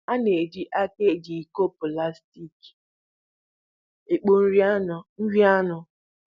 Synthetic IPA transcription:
a˦ne˨di˦ʔa˦ke˦˨d͡ʒi˨ko˦pʊ˨la˦sti˦k | e˨k͡po˦n̩˦ɾn̩˦ɾi˦a˦nʊ˨

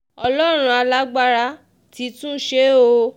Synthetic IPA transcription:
ɔ˧lɔ˦ɾ̃ũ˧˦a˧la˦ɡ͡ba˦ɾa˦ | ti˨˦tũ˦ʃe˦o˧

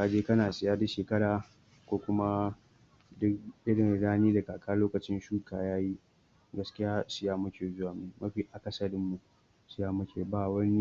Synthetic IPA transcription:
ka˨d͡ʒeː˦kɐ˦naː˨sɪ˨jaː˦dɐ˦ʃeː˨kɐ˦ɽaː˨ | kʷoː˦kʷʊ˦ma˦ | dʊ˦kʔɪ˦ɽɪ˨nɽaː˦niː˦da˨kaː˨kʰaː˦loː˦kɐ˨t͡ʃɪ˦nʃuː˦kʰaː˨jaː˦ji˦ | ɡɐ˦skʲɪ˦jaː˦sɪ˦jaː˦mʊ˦kʲeː˨zʊ˦waː˨mu˨mɐ˦ɸiː˦ʔa˨kɐ˦sɐ˨dɪ˦mːu˨ | sɪ˨jaː˦mʊ˦kʲʰeː˨baː˨wɐ˦ni˦

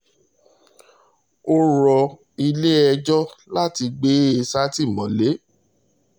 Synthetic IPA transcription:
o˦ɾɔ˧ | i˧le˦ɛ˧d͡ʒɔ˦la˦ti˧ɡ͡be˦e˧sa˦ti˦˨mɔ̃˨le˨˦

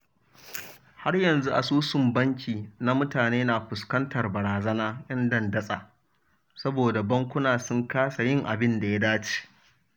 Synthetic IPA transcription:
ha˦rjɐ˨nzu˦ʔa̰˨suː˦sʊ˨mbɐ˦ŋkʲʰiː˨na˦mʊ˦taː˨neː˦na˨ɸʷʊ˨skɐ˦ntɐ˨rbɐ˨ɾaː˨zɐ˦naː˦ʔɐ˦ndɐ˦˨ndɐ˦sʼa˨ | sɐ˦boː˨da˨bɐ˦ŋkʷʊ˦naː˨sʊ˦ŋkaː˦sa˨jɪ˦ŋʔa˨bɪ˦nda˨ja˦daː˦t͡ʃi̥ː˨

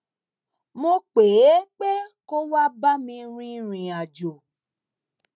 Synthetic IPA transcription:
mo˧k͡pe˨˦k͡pe˦ko˦wa˦ba˦mĩ˧ɾ̃ĩ˧ɾ̃ĩ˨a˨d͡ʒo˨

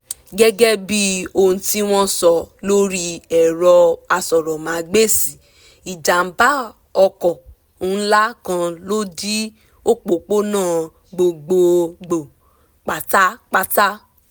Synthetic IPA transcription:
ɡɛ˦ɡɛ˦bi˦o˧ñ̩˧ti˦w̃ɔ̃˦sɔ˨lo˦ɾi˦ɛ˨ɾɔ˧a˧sɔ˨ɾɔ˨mã˨˦ɡ͡be˦si˨ | i˨d͡ʒa˨m̩˨˦ba˦ | ɔ˧kɔ˨ | ũ˨˦la˦kã˧lo˦di˦ | o˦k͡po˨k͡po˦nãː˦˨ | ɡ͡bo˧ɡ͡bo˧ɡ͡bo˨ | k͡pa˨ta˦k͡pa˦ta˦

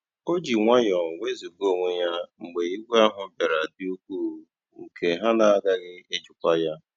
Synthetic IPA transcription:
o˦d͡ʒi˨ŋʷa˦jɔ˨we˦zi˨ɡo˦˨ŋʷe˦ja˦ŋ͡m̩˨ɡ͡be˨i˦ɡʷa˦ɦʊ˨m̩˦be˨ɾa˨dɪ˦u˦kʷuː˦˨˦ | ŋ̩˨kʰe˨ɦa˦na˨a˦ɡa˦ɣɪ˦e˦d͡ʒʊ˨kʷa˦ja˦

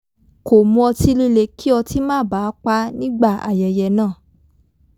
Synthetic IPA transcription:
ko˨mũ˧ɔ˧ti˧li˧le˨˧kʰi˦ɔ˧ti˦mãː˦˨baː˨˦k͡pa˧˦nĩ˦ɡ͡ba˦˨a̰˨jɛ˨jɛ˨nãː˦˨

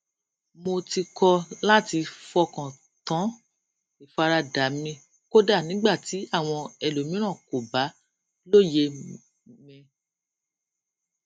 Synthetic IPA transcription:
mo˧ti˧kʰɔ˧la˦˨ti˧fɔ˧kã˨ | tã˨˦ | i˨fa˧ɾa˧da˨˦mĩ˧ | ko˦da˦˨nĩ˨˦ɡ͡ba˦˨ti˨˦a˦˨w̃ɔ̃˧ɛ˨lo˨˦mĩ˦ɾ̃ã˦˨ko˨ba˨˦ | lo˦˨je˧ | mɛ̃˧

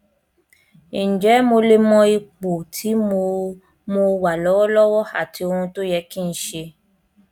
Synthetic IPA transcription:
i˨d͡ʒɛ˨˦mo˧le˦mɔ̃˧i˧k͡po˨tʰi˨˦mo˧ | mo˧wa˨lɔ˨˦wɔ˦lɔ˦wɔ˦a̰˨ti˧o˧hũ˧to˦jɛ˧˦kĩ˦˧n̩˦ʃe˧

